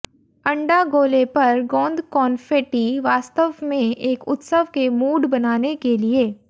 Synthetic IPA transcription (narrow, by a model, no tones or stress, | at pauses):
ɐ̃ɳɖaɡoːlepɐɾɡɔ̃ːnd̪kɔːnfeːʈiʋaːst̪əʋmẽeːkʊt̪səʋkemuːɖbɐnaːnekelieː